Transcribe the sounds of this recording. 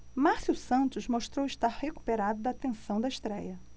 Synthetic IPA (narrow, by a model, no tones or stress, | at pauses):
masusɐ̃nt̪ʊzmoʃt̪ɾowɪʃt̪aɾheku̥peɾad̪ʊd̪ɐat̪ẽsɐ̃w̃d̪ɐɪʃt̪ɾɛjɐ